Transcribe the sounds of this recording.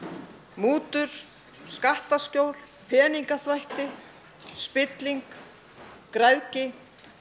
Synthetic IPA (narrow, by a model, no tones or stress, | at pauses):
muːt̪ʏɾ̥ | skaht̪ascowl | pʰɛːniŋkaθvajht̪ɪ | spɪt̪liŋkː | ɾawcɪ